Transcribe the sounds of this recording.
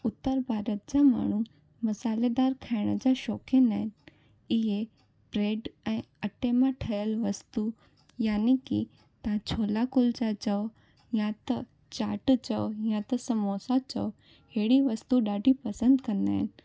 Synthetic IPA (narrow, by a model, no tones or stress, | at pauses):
ʊt̪ːəɾbʱaːɾət̪̚d͡ʑama̰ːɳ̤̃u | mɐsaːled̪aːɾkʰaːɪɽ̃əd͡ʑaʃɔːkʰẽnaːɦɪnɪ̆ | ɪɦe | pɾeːɖɛ̃ː | ɐʈemãʈʰɐjəlʋɐst̪u | jaːniki | t̪ɐʋãt͡ɕʰoːlakʊld͡ʑat͡ɕɐʋo | jãt̪ɐ | t͡ɕaːʈt͡ɕɐʋjãt̪ɐsɐmoːsat͡ɕɐ̰ʋ | ɦeːɽiʋɐst̪uɗaːɖʱipɐsə̃nd̪kɐ̃nd̪aːɦɪnɪ̆